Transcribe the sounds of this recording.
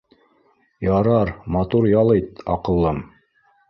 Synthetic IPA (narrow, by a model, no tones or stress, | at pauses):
jɑɾɑɾmɑt̪uɾjɑlˠɤjt̪ɑ̰qɤ̆lˠːɤm